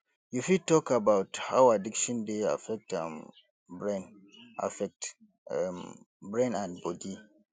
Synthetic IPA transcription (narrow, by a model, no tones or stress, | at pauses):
jufid̚tɔkabawthawadikʃɔ̃ndea̰fɛk̚tãm | bɹɛn | ʔa̰fɛk̚t | bɹẽnãnbɔdi